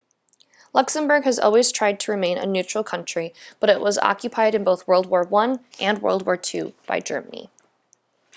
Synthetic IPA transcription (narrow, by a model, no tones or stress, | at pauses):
lʌksə̃mbə˞ɡɨzɔ̰lˠwiz̥tʰɹ̥aɪd̚tʰəɹɨmẽɪ̃nɨ̰njʉt͡ʃɹ̥l̩ˠkʰʌ̃nt͡ʃɹ̥ib̥ʌɾɪʔwʌzɑ̰kjɨpʰaɪɾɨ̃nboʊθwɜ˞lˠd̚wɔɹwʌ̃nʔɨ̃nwɜ̰˞lˠd̚wɔɹtʰʉ̰b̥aɪd͡ʒɜ̰˞mənḭ